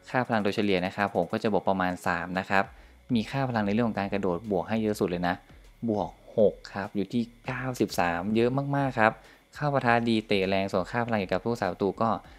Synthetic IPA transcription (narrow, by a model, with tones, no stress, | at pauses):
kʰaː˥˩pʰa˧la˧ŋd̪u˧t͡ɕʰa˧li˨˩əna˦˥kʰa˦˥pʰːo˨˩˦mkɔː˥˩t͡ɕa˨˩bo˨˩pɾa˧maː˧nsaː˩˦mna˦˥kʰa˦˥p̚ | miː˧xʰaː˥˩pʰa˧la˧ŋn˧ɾŋkʰːkaː˧nkɾa˧doː˨˩t̪̚bu˨˩ək̚ɦa˥˩jːɤ˦˥ʔsu˨˩t̪̚lɤː˧jna˦˥ʔ | bu˨˩ək̚ho˨˩kʰːa˦˥p̚juː˨˩t̪ʰiː˥˩kaː˥˩wsi˨˩p̚saː˩˦mjɤ˦˥ʔmaː˥˩k̚maː˥˩kʰːa˦˥p̚ | kʰaː˥˩pʰa˧t̪ʰaː˧˥diː˧t̪eː˨˩ɾɛː˧ŋsu˨˩ənkʰaː˥˩pʰa˧ŋi˨˩ka˨˩p̪̚ʰu˥˩ksaː˩˦mt̪uː˧kɔː˥˩